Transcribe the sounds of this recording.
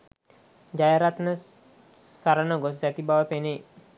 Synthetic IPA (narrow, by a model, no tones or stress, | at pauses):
d͡ʒajaɾat̪nə | saɾənəɡossɛt̪ibaʋəpenej